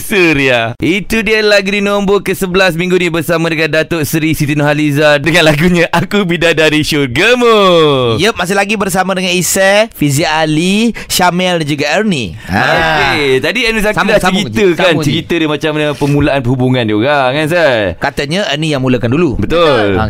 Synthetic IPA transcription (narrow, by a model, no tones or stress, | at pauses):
suɾiait̪udiəlaɡdinɔmbokəsəbəlasmĩŋɡunibərsamãdəŋãndat̪oʔsɾisit̪inoɦalizadəŋãnlaɡuɲãʔakubidadaɾiʃoɡəmojəmas̬ɪlaɡibərsamãdəŋanisɛfizialiʃamɛldand͡ʒuɡaərnḭ̃ | aket̪adiənisaksudasaəkit̪əkant͡ʃəkit̪əɾjəmat͡ʃamanapəmũlaanpəɦubuŋãndiukakansakat̪əɲə̃ənijaŋmuləkandulubət̪ola̰